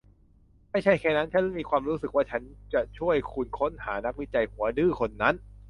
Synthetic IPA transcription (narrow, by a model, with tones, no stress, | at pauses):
ma˥˩jt͡ɕʰa˥˩jkʰɛː˧˩na˦˥nt͡ɕʰa˦˥n˥˩miː˧kʰwaː˧mɾuː˦˥sɯ˨˩k̚waː˥˩t͡ɕʰa˦˥nt͡ɕa˨˩t͡ɕʰu˥˩əjkʰu˧nkʰo˦˥nhaː˩˦na˦˥k̚wi˦˥t͡ɕa˧jhu˩˦ɐ˦dɯː˥˩kʰo˧nːa˦˥n